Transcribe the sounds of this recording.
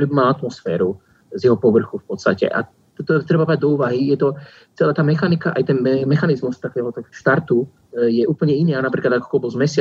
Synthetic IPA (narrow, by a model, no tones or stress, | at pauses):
ɔɾiːbimalat̪mɔsfɛ̰ːɾu | zjɛɦɔpɔʋr̩xufpɔt̪st̪a̰cɛ̰ʔa̰ | t̪ɔt̪ɾɛbabɾaɟ̚d̪ɔuːʋaɦijɛt̪ɔ | t͡sɛlaːt̪aːmɛxanikaʔajt̪ɛnɛmɛxanizmust̪akɛːɦɔt̪ɔʃt̪aɾt̪u | jɛʔuːpl̩ɲɛinanapɾiːklad̪akɔ̥kɔlbzmɛsɪa